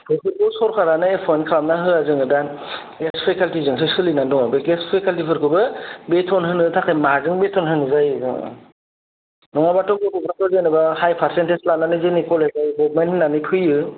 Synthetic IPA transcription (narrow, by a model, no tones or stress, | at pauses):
pʰɯpʰɯɾkɯsɔɾkʰaɾanɯepʰɔnkʰɾamnaɦɯazɯŋɯdan | ɡespʰekaltizɯŋs̬ɯsɯlinadɔŋabɯɡespʰekaltipʰɯɾkʰɯbɯbetʰɔnɦɯnɯtʰakʰɯjmazɯŋbetʰɔnɦɯnɯzajɯzɯ̰ŋɯ̰ | dɔŋabatɔɡɔɡɔbɾatɔzenɯbahajpʰaɾsenteslanːanɯzɯnikʰɔlezajɡɔbmenhɯnːanɯpʰɯjɯ